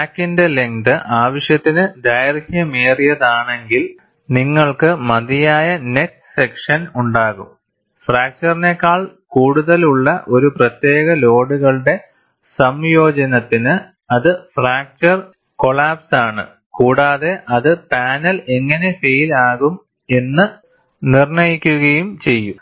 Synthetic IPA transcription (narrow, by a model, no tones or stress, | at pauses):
aːkːinde̞le̞ŋd̪ɨʔaːʋɐʂjɐt̪ːinɨd̪ɐjɐɾɐɡʲjɐmeːrijɐðaːɳe̞ŋɡil | niŋːɐɭkɨmɐðijaːjɐne̞k̚sɨ̥sekʂɐnuɳɖaːɣṵm | fraːk̚t͡ɕɐrine̞kːaːɭkuːɽuðɐluɭːɐʔo̞ɾuprɐt̪jeːɣɐlo̞ːɽuɣɐɭɖe̞ | sɐmjo̞ːd͡ʑɐnɐt̪ːinɨ | ɐðɨfraːk̚t͡ɕɐr | ko̞ɭaːpsaːɳɨ̰ | kuːɽaːðe̞ʔɐðɨpaːnɐle̞ŋːɐne̞fe̞jilaːɣum | e̞nːɨ | nirɳɐjikʲːuɣɐjumt͡ɕe̞jːu